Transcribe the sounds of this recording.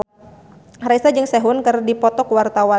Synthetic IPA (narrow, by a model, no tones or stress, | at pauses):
hrɾaisad͡ʒɨŋsɛɦʊnkɨrdipɔt̪ɔkwart̪awa